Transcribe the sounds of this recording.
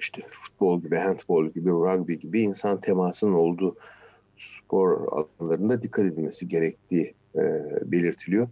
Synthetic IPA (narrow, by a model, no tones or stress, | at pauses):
iʃt̪ʰɛfu̥t̪̚bo̞lˠɟibiɦænt̪bolˠɟibiɾaɡbiɟibiːnsant̪ʰemaːsɯnɯno̞lˠd̪uː | spʰo̞ɾa̰lˠnlˠaɾɯnd̪ad̪ikʰːat̪e̞d̪ilʲme̞siɟe̞ɾɛct̪ʰiː | be̞lʲiɾt̪ʰilʲijo